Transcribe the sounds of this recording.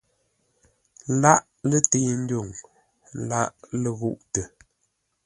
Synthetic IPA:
la˦ʔ | lə˦te˦˨e˦n̩˦do˦˨ŋ | la˦ʔlə˦ɣu˦˨ʔtə˨

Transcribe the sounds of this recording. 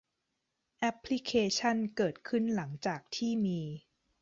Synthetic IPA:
ʔɛ˦˥pʰːli˦˥kʰeː˧t͡ɕʰa˥˩nkɤː˨˩t̪̚kʰɯ˥˩nla˩˦ŋt͡ɕaː˨˩k̚t̪ʰiː˥˩miː˧

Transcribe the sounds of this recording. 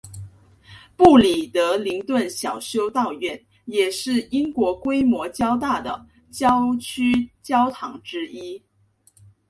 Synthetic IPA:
pu˥˩li˨˩t̪ɤ˧˥li˧˥ŋt̪wə˥˩nɕjɑ˨˩ʊɕjo˥ʊt̪ɑ˥˧ʊɥɛ˥˩n | jɛ˨˩ʂɻ̩˥˩i˥ŋkwɔ˧˥kwe˥ɪmwɔ˧˥t͡ɕjɑ˥ʊt̪a˥˩d̪ə̰˩ | t͡ɕjɑ˥ʊt͡ɕʰy˥t͡ɕjɑ˥ʊt̪ʰɑ˧˥ŋʈ͡ʂɻ̩˥i˥

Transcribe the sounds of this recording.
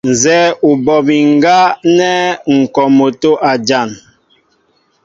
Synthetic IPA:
n̩˨zɛ˦u˨bɔ˨bi˨ŋ˦ɡa˦nɛ˦ŋ̩˨kɔ˨mo˨to˦ʔa˨d͡ʒa˦˨n

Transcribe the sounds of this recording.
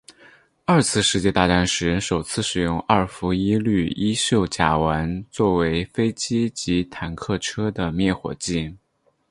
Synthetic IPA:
ɐ˞˥˧t͡sʰɹ̩˥˧ʂɻ̩˥˧t͡ɕjɛ˥˧t̪a˥˧˩ʈ͡ʂa˥nʂɻ̩˧˥˧ʂo˨˩ʊt͡sʰɹ̩˥˩ʂɻ̩˨˩jʊ˥˧ŋɐ˞˥˩fu˧˥i˥ly˥˩i˥ɕjo˥˩ʊt͡ɕja̰˨˩wa˧˥nt͡swɔ˥˩we˧˥ɪfe˥ɪt͡ɕi˥t͡ɕi˧˥t̪ʰa˨˩nkʰɤ˥˩ʈ͡ʂʰɤ˥d̪ə˨mjɛ˥˩xwɔ̰˨˩t͡ɕi˥˩n

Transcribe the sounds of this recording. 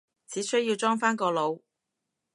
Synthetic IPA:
t͡sʰiː˨˥sɵ˥ɥjiː˧wt͡ʃɔː˥ŋfaː˥nkɔː˧lo˨˧w

